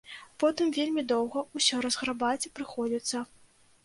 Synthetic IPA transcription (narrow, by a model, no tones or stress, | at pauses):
pɔt̪ɨmvʲelʲmʲid̪ɔwɣɐusʲɔɾɐzɣɾabat͡sʲipɾɨxɔd͡zʲit̪sːɐ